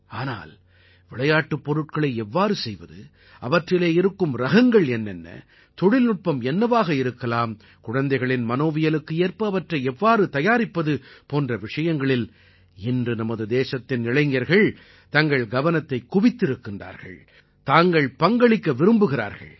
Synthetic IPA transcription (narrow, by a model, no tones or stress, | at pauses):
aːna̰ːl | ʋɪɭɐjaːʈːɯpːɔɾɯʈ̚kɐɭɐɪɛʋːaːɾɯsɛjʋɐðɯ | ʔɐʋɐʈrɪleːɪɾɯkːɯmɾɐɣɐŋɡɐɭɛnːɛnːɐ̰ | t̪ɔɽɪlnʊʈ̚pːɐmɛnːɐʋaːɣɐɪɾɯkːɐlaːm | kʊɻɐnd̪ɐɪɣɐɭɪnmɐnoːʋɪjɐlɯkːɯeːɾpɐɐʋɐʈrɐɪɛʋːaːɾɯt̪ɐjaːɾɪpːɐðɯpoːndrɐʋɪʂɐjɐŋɡɐɭɪl | ɪndrɯnɐmɐðɯd̪eːsɐt̪ːɪnnɪɭɐɪŋɐɾɣɐɭ | t̪ɐŋɡɐɭɡɐʋɐnɐt̪ːɐɪkːʊʋɪt̪ːɪɾɯkːɪnra̰ːɾɣɐ̰ɭ | t̪aːŋɡɐɭpɐŋɡɐɭɪkːɐʋɪɾɯmbɯɣɪɾa̰ːɾɣɐ̰ɭ